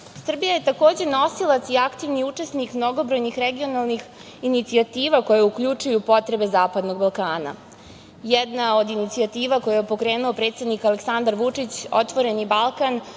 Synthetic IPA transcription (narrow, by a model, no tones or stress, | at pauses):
sr̩bijajet̪ako̞ːd͡ʑe̞no̞silˠat̪siakt̪iʋniut͡ʂe̞snikmno̞ɡo̞bɾo̞jnixɾeɡio̞nalˠnix | init̪siat̪iːʋako̞jeuklʎut͡ʃujupo̞t̪ɾe̞be̞zaːpad̪no̞ɡbalˠkaːna̰ | jɛd̪nao̞d̪init̪siat̪iːʋako̞jajepo̞kɾe̞ːnuo̞pɾet̪sed̪nikaleksand̪aɾʋut͡ʂit͡ɕo̞t̪ʋo̞ɾe̞nibalˠkan